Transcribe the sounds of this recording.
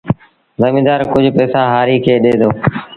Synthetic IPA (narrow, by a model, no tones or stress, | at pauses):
zəmĩːd̪aːɾkʊd͡ʒʱpɛːsaːɦaːɾiːkʰeːɗeːd̪oː